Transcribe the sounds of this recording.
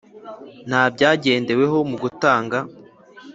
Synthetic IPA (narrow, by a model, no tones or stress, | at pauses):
n̥haːb̚ɟaːɟe̞ːnde̞we̞ɦo̞muɡutaːŋɡa